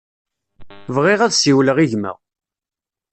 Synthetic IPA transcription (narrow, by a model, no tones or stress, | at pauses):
vʁɪʁæðsiwləʁiʝmə̰ʁ